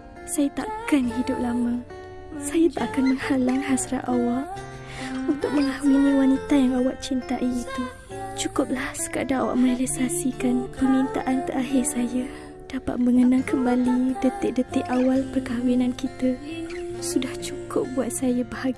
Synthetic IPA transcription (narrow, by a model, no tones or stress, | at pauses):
sajat̪a̰ʔkanɦidʊp̚lamaŋ | sajat̪aʔkanməŋhalaŋhasɾa̰ʔʔawal | unt̪ʊk̚məŋahmuniwanit̪ajaŋawaʔ̚t͡ʃint̪a̰ʔiːt̪u | t͡ʃukʊp̚lahsə̥kadaŋawa̰ʔmə̃nɛlɛsasikanpərmint̪a̰ʔant̪əɾaɦɪrsaja | d̥apa̰t̪̚məŋənaŋkəmbalidət̪ɪʔ̚dət̪ɪʔawalpərkawinankit̪ə | sudaht͡ʃukʊp̚buat̪̚sajabəhaɡi